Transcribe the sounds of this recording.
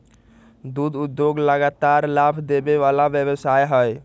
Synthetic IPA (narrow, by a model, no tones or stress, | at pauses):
d̪ud̪ud̪joɡləɡat̪aɾlabʱd̪ebeʋalabjəbəsajɦəj